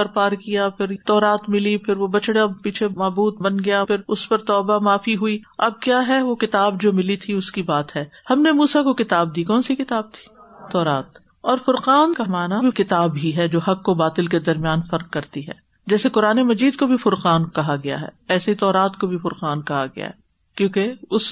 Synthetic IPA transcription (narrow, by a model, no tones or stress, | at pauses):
ɐɾpaːɾkijapʰɪɾt̪ɔːɾaːt̪mɪlipʰɪɾʋobɐt͡ʃɽapiːt͡ʃʰemaːbuːd̪̚bɐnɡɐjapʰɪɾʊspɐɾt̪ɔːbamaːfiɦuiɐ̰b̚kjaːɦɛʋokɪt̪aːbd͡ʒoːmɪlit̪ʰiʊskibaːt̪ɦɛːhɐmnemuːsakokɪt̪aːb̚d̪iːkɔːnsikɪt̪aːb̚t̪ʰi̥ːt̪ːɔːɾaːt̪ | ɔːɾfʊɾqaːnkamaːnabʱikɪt̪aːbɦiɦɛd͡ʒoːɦɐqːobaːt̪ɪlked̪ɐɾmijaːnfɐɾqkːɐɾt̪iɦɛ̰ː | d͡ʒɛːsekʊɾaːnemɐd͡ʒiːd̪̚kobʱifʊɾqaːnkɐɦaɡɐja̰ɦɛ̰ːɛːseit̪ɔːɾaːt̪kobʱifʊɾqaːnkɐɦaɡɐ̰ja̰ɦɛ | kjõːkeʊs